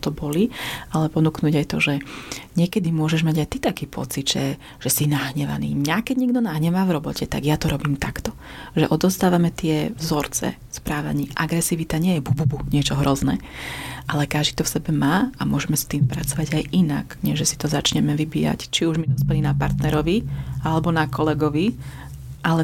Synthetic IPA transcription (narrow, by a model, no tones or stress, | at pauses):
t̪ɔbɔlialɛpɔnuːknuːɟajt̪ɔʒɛɲɪɛkɛd̪imʊɔʒɛʒmaɟajt̪it̪akiːpʰɔ̰t͡sid̪ʒ̥ɛ | ʒ̥ɛsinaɦɲɛʋa̰nḭːmɲakɛɟɲiɡd̪ɔnaɦɲɛʋaːvɾɔbɔcɛt̪a̰ɡjat̪ɔɾɔbiːmt̪akt̪ɔ | ʒɛʔɔd̪ɔst̪aːʋamɛt̪ɪɛvzɔɾt͡sɛ̰ | spɾaːʋa̰ɲiːʔaɡɾɛsiːʋit̪aɲɪɛjɛbububuɲɪɛt͡ʃɔɦɾɔznɛ̰ | ʔalɛkaʒd̪it̪ɔfsɛbɛmaːamʊɔʒɛmɛst̪iːmpɾat͡sɔʋaɟajʔina̰kɲɛʒɛsi̥t̪ɔzat͡ʃɲɛmɛʋibḭːja̰ct͡ʃiuʒmid̪ɔspɛlinapa̰ɾt̪nɛɾɔʋialɛbɔnakɔlɛɡɔʋi | ʔalɛ